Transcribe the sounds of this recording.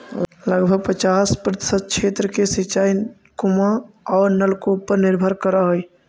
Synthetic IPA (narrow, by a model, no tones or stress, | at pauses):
ləɡbʱəɡ̚pət͡ʃaspɾət̪ɪ̥səd̪̚kt͡ʃʰet̪ɾəkesit͡ʃai | kumaɔːɾnəlkopːəɾniɾbʱəɾkəɾəɦəj